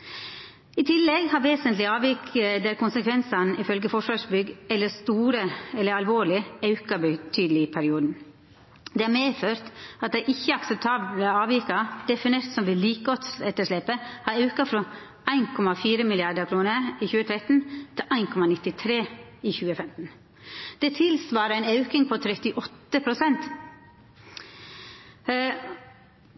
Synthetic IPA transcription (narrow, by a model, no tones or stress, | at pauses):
ɪt̪ʰɪlːɛɡhɑɾʋeːsənt̪lɪɑːʋikəd̪ɛɾkʰʊnsəkʰʋɛnsɑnɪfœlɡəfɔʂʋɑʂbʏɡɛlːəst̪uːɾəɛlːəɾɑlʋoːɭɪɑʉkɑbət̪ʰyːd̪əlɪpʰæɾɪuːd̪n̩ | d̪ɛːɑɾmeːføːɾt̪ɑt̪̚d̪æɪʔɪçːəɑksəp̚t̪ʰɑːbləɑːʋiːkɑd̪̥ɛfɪneːɾt̪sɔmʋɪliːkɔt̪sɛt̪ːəʂɭɛpːəhɑːɾɑʉkəfɾɔ | ʔæɪnkʰɔmɑfiːɾəmɪlɪɑd̪əɾkʰɾuːnəɾiːçʉːət̪ʰɾɛt̪n̩t̪ʰɪlʔæɪnkʰɔmɑnɪt̪ːɪt̪ʰɾeːiːçʉːəfɛmt̪n̩ | d̪̥ɛːt̪ʰɪlsʋɑːɾəæɪnɑʉkɪŋpʰɔt̪ʰɾɛt̪ɪʔɔt̪ːəpʰɾʊsɛnt̪